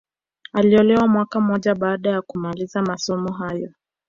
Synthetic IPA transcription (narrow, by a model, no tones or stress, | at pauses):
aliɔlɛwamwakam̩ɔʄaɓaːɗajakumalizamasɔmɔɦajɔ